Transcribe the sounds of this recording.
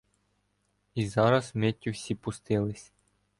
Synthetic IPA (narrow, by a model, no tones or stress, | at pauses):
izɑɾɐsmetʲːʊwsʲipʊst̪ɪlˠɪsʲ